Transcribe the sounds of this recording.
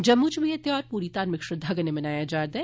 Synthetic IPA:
d͡ʒɐbmʊd͡ʒʱbʱĩɐt̪jaːɾpuːɾit̪aːɾmɪkʃəd̪ʱaːɡənemɐnaːjad͡ʒaːd̪ɐ

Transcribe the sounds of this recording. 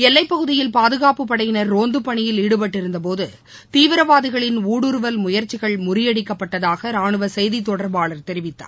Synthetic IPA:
ɛlːɐɪpːɐɣɯðɪjɪlpaːðɯɣaːpɯpːɐɽɐjɪnɐɾːoːnd̪ɯpːɐɳɪjɪliːɽɯp̬ɐʈːɪɾɯnd̪ɐp̬oːðɯ | t̪iːʋɪɾɐʋaːðɪɣɐɭɪnuːɽɯɾɯʋɐlmʊjɐɾt͡ʃːɪɣɐɭmʊrɪjɐɽɪkːɐpːɐʈːɐðaːɣɐɾaːɳɯʋɐsɛjðit̪ːɔɽɐɾbaːɭɐɾt̪ɛɾɪʋɪt̪ːa̰ː

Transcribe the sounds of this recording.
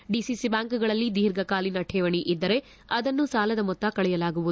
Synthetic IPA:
ɖisisibaːŋkuɡɐɭɐlːid̪iːɾɡɐkaːlinɐʈʰɛːʋɐɳiʔid̪ːɐɾe̞ | ɐd̪ɐnːusaːlɐd̪ɐmɔt̪ːɐkɐɭɛjɐlaːɡuʋuu

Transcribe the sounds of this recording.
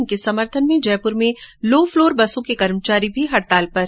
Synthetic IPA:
nkesɐməɾt̪ʰənmẽd͡ʒɛːpʊɾmẽloːfloːɾbɐsõkekɐɾmt͡ʃaːɾibʱiɦɐɽt̪aːlpɐɾ

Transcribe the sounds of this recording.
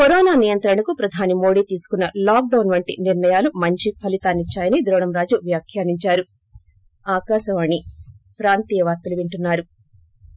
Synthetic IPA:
kɔɾɔːnaːnijɐnt̪ɾɐnɐkupɾɐd̪ʱaːnimo̞ːɽiːt̪iːsu̥kunːɐlaːk̚ɖɐwnʋɐɳʈḭniɾɳɐjaːlumɐɲt͡ʃipʰɐlit̪aːnit͡ʃːaːjɐnid̪ɾɔːɳɐmɾaːd͡ʒuʋjaːkʰjaːniɲt͡ʃaːɾu | aːkaːʃɐʋɐːɳi | pɾaːnt̪iːjɐʋaːɾt̪ːɐluʋiɳʈunːaːɾu

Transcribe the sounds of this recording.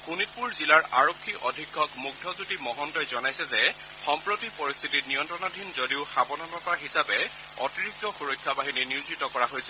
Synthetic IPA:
kunit̚puɹzilaɹa̰ɹokʰːiʔɔdʱikʰːɔkmuɡ̚dʱɔzutimɔɦɔntɔjzɔnajsɛzɛ | xɔmpɹotipɔɹist̪ʰititnijɔntɹɔnadʱinzodiʊxabɔnɔnɔtaɦisapɛ | ɔ̰tiɹik̚tɔxuɹojkʰːabaɦininizitɔkɔɹaɦojsɛ

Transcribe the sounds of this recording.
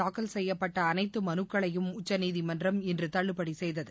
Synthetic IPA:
aːkːɐlsɛjːɐpːɐʈːɐːnɐɪt̪ːɯmɐnɯkːɐɭɐjɯmʊt͡ʃːɐniːðimɐndrɐmɪndrɯt̪ɐɭːɯpːɐɽisɛjðɐðɯ

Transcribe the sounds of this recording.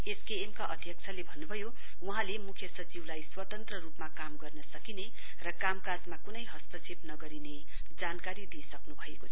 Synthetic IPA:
eskeːmkaʔʌd̪ʱjʌk̚t͡sʰʌlebʱʌnːubʱʌjo | uɦãlemukʰjʌsʌt͡siwlajswʌt̪ʌnt̪rʌrupmakamɡʌrnʌsʌkine | rʌkamkad͡zmakunʌjɦʌst̪ʌt͡sʰebnʌɡʌɾine | d͡zankaɾid̪iesʌknubʱʌekoʌ

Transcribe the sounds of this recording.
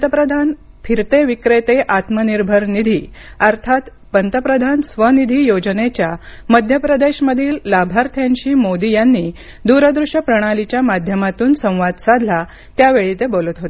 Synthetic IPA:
ət̪əpɾəd̪ʱan | fʰiɾt̪eʋikɾet̪eʔat̪məniɾbʱəɾnid̪ʱiː | əɾt̪ʰat̪ | pənt̪əpɾəd̪ʱansʋənid̪ʱiːjod͡ʑənet͡ɕjaməd̪ʱjəpɾəd̪eɕməd̪ʱiːllabʱaɾt̪ʰjaɲt͡ɕiːmod̪ijanːiː | d̪uɾəd̪ɾuʂəpɾəɽ̃alit͡ɕjamad̪ʱjəmat̪uːnsə̃w̃ʋad̪sad̪ʱla | t̪jaʋeɭit̪ebolət̪ɦot̪e

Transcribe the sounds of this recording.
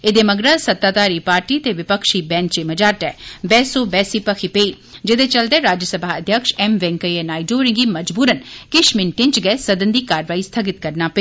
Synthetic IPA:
ed̪emɐɡɾasɐt̪ːaːt̪aːɾiːpaːɾʈiːt̪eʋɪpəkʃiːbɛ̃ːnt͡ʃemɐd͡ʒaːɾʈɛːbɛːsoːbɛːsiːpəkʰipeːiː | d͡ʒɪd̪et͡ʃəld̪eːɾaːd͡ʒəsəbʱaːəd̪ʱjəkʃɛmʋɛ̃ːŋkəieːnaːiɖoːɾɪ̃ŋɡiːmɐd͡ʒbuːɾənkɪʃmɪnʈɪ̃ɲt͡ʃɡɛːsɐd̪ənd̪iːkaːɾʋaːist̪ʰəɡɪt̪̚kəɾnaːpɐe

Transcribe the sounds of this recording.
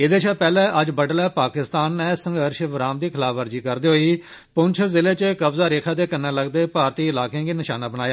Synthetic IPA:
ɪd̪eːʃʰaːpɛːlɛ̃ːʔəd͡ʒbəɖəlɛːpaːkɪst̪aːnːɛːsə̃ŋɡəɾʃʋəɾaːmd̪iːkʰɪlaːfəɾd͡ʒiːkəɾd̪eːɦoːiː | pʊnt͡ʃʰzɪleːt͡ʃəkəbzaːɾeːkʰaːt̪̬eːkənːãːləɡd̪eːpaːɾt̪iːɪlaːkẽːɡiːnɪʃaːnaːbənaːjaː

